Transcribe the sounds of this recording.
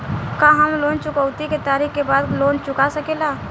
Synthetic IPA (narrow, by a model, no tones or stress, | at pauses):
kaːɦəmloːnt͡ʃʊkəwt̪iket̪aːɾikkebaːd̪loːnt͡ʃʊkasəkelaː